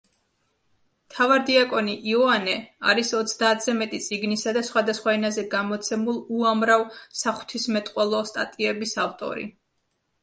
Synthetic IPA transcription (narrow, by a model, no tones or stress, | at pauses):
mt̪ʰavaɾd̪iakʼɔniʔiɔanɛa̰ɾisɔt̪sʰd̪aːt̪ʰz̥ɛmɛt̪ʼit̪sʼiɡnisad̪asχwad̪asχwaɛnazɛɡamɔt̪sʰɛmulˠuamɾavsaχw̥t̪ʰismɛt̪ʼqʼwɛlˠɔst̪ʼa̰t̪ʼiɛbisaft̪ʼɔ̰ɾḭ